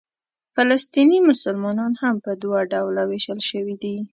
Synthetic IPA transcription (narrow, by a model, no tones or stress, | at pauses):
falast̪inimʊsʊlmɑnɑnhampəd̪waɖawlaweʃəlʃəwid̪i